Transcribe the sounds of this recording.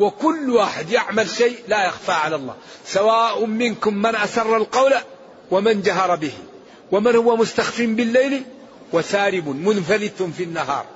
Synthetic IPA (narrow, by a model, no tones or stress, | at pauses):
wɪkʊlːwaːħɪd̪jaʕmalʃajlajaxfaʕalalˤːɑ̰ː | sawaːʔʊmɪnkʊmːanʔasɑrˤːalqɑwla | wamand͡ʒaɦɑɾˤɑbɪhḭ | wamanhʊwːamʊst̪axfiːmbɪlːajli | wasaːɾɪbʊmʊnfalɪt̪ʊfinːaɦɑ̰ːɾˤ